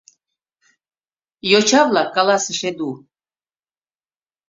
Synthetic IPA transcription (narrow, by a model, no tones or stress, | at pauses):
jot͡ɕɑβlɑkɑlɑsəʃed̪u